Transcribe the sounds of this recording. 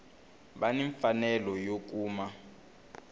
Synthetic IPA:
ɓaniɱfanɛlɔjok̬uːma

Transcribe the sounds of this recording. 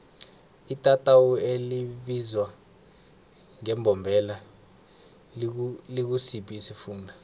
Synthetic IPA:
itʼatʼawueliɓizwa | ŋɛmbʱɔmbʱɛla | lik̬usipʰʼiːsifuːndʱa

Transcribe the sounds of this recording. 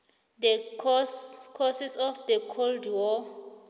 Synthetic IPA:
dɛskʰɔsisɔfdɛkʰoldwɔ

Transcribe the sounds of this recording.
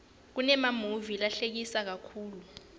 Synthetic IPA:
k̬unɛmamuvilaɬek̬isak̬akʰuːlu

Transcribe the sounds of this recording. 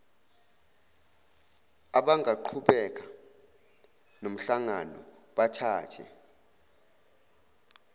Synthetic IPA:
aɓaŋʱaǃʰuɓɛk̬ʼa | nom̩ɬaŋanɔ̰ɓatʰaːtʰɛ̰

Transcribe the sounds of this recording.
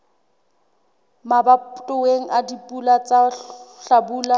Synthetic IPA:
mabatʼʊweŋ̩ʔadipʼulat͡saɬabuːla

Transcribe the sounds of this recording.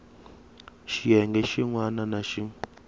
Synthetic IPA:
ʃijɛŋɡɛʃiŋwananaʃi

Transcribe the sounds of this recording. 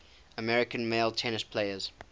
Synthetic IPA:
əmɛɹɪkə̃nmeɪlˠtʰɛnɪspʰl̥eɪəz̥

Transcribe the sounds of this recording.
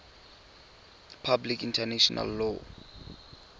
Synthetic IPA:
pʰablikintʰaneʃɔnʔa̰lːɔ

